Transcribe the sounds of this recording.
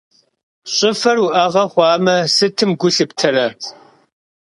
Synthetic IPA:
ɕʼʊfɐrwuʔɐʁɐχʷɑːmɐsɨtʰɨmɡʷʊɬɨptʰɐrɐ

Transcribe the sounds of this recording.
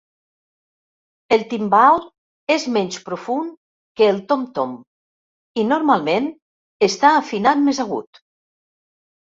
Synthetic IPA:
elˠt̪imbal | ezmɛnʲspɾofun | kəːlˠt̪omt̪om | inoɾmalˠmen | est̪aːfinat̪̚mezaɣṵt̪

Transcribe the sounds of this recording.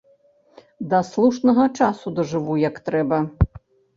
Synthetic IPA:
d̪ɐslˠuʂnɐɣɐt͡ʂasud̪ɐʐɨvujɐkt̪ɾɛbɐ

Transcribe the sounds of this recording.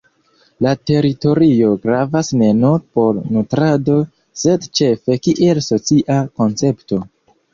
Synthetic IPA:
late̞ɾito̞ɾio̞ɡɾavasne̞noɾpo̞ɾnutɾado̞ | se̞dt͡ʃe̞fe̞kiʔe̞lso̞t͡siʔako̞nt͡se̞pto̞

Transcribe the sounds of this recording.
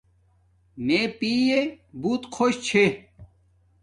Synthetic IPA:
nepiːje | buːt̪qʰoːɕt͡ɕʰe

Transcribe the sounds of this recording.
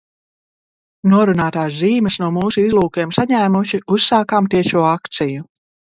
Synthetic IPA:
nuɔɾunaːt̪aːsziːmɨsnuɔmuːsuizlˠuːkeɛmsaɲæːmuʃiusːaːkaːmt̪iɛʃuɔakt̪siju

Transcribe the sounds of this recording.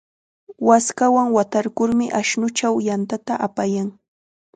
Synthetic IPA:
waskawaŋwat̪aɾkʊɾmɪʔaʃnʊt͡ʃawjant̪at̪aʔapajaŋ

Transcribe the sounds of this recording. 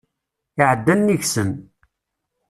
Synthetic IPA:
ɪʕəd̪ːænːiçsən

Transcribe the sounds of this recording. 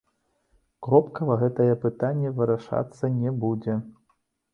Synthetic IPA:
kɾɔpkɐvɐɣɛt̪ɐjɛpɨt̪anʲːɛvɨɾaʂa̰t̪sːɐnʲɛbud͡zʲɛ

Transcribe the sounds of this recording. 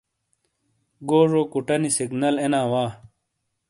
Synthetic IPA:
ɡoːʐoːkuʈɐnisiɡnɐlenaːwaː

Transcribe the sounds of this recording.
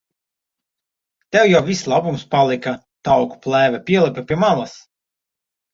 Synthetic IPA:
t̪ɛwjawvʲislˠabumspalˠika | t̪awku̥plˠæːvʲɛpʲiɛlˠipʲɛpʲiɛmalˠas

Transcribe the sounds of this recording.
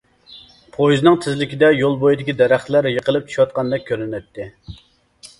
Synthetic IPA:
pʰojznɨŋt̪ʰɪzlɪkʲid̪ɛjolˠbojid̪ɪkʲid̪ɛɾæχt̪læɾjəqəlˠɨp̚t͡ʃʰy̥ʃwɑt̪̚qʰɑnd̪ɛk̚ʲʰːøɾɪnɛt̪ʰːɪ

